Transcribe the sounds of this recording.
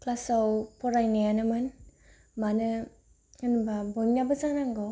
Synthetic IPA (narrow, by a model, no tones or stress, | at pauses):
klasawpʰɔɾajnejanɯmɯn | manɯ | ŋɯnbabɔjmnabɐzanaŋɡɔ